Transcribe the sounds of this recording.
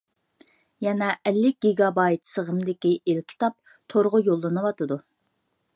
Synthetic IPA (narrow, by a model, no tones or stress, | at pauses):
jɛnɛʔɛlːɪk̚ʲɡ̥ʲiɡɑbɑjt̪səʁəmd̪ɪkʲiʔelkʲʰi̥t̪ɑp̚ | t̪ʰoɾʁʊjolˠːɨnɨwɑt̪ʰɨd̪u